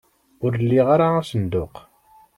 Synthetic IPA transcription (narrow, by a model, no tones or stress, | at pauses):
ʊɾəlːiʁaɾaæsənd̪ʊq